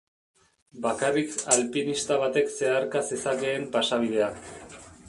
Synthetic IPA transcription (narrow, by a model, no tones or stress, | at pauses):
bakarikalpinist̪aβ̞at̪e̞kse̞aɾkasesakeːmpasaβ̞iðe̞a